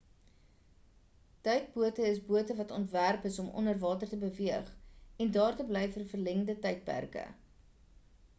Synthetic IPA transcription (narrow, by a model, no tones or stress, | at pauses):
tɐjt̚buətəəsbuətəvɐtɔntværpəsɔmʔɔ̰nərvɑːtərtəbəviəχɛndɑːrtəblɛjfərfərlɛŋdətɐjt̚pæ̰rkə̰